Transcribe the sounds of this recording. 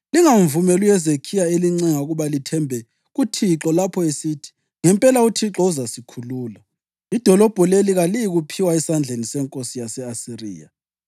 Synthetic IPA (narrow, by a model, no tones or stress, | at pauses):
liŋaɱvumɛlujɛzekʰijaeliŋ͡ǀɛŋauɣuβalitʰɛmbʱɛ | ɣutʰiǁɔlapʰɔesiːtʰi̥ | ŋɛmpʼɛlautʰiǁɔuzasikʰuluːla | id̥ʱɔlɔb̥ʱɔleliɣalijiɣupʰiwaɛsand͡ɮʱenisɛŋkʼosijasɛasirḭːja̰